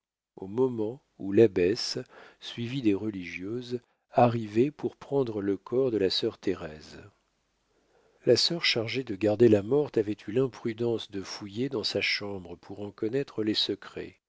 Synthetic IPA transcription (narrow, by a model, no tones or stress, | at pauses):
omɔmɑ̃ | ulabɛssɥivid̪eʁəliʒjøz | aʁivɛpuʁpχɑ̃d̪ʁələkʰɔʁd̪əlasœʁt̪ʰeʁɛz | lasœʁʃaʁʒed̪əɡaʁd̪elamɔʁt̪avɛt̪ʰylɛ̃pχyd̪ɑ̃sd̪əfujed̪ɑ̃saʃɑ̃bʁəpʰuʁɑ̃kɔnɛt̪χəlɛsəkχɛ̰